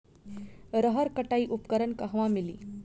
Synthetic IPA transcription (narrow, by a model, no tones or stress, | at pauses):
ɾəɦəɾkəʈaiːʔupkəɾənkəɦʋãmilḭː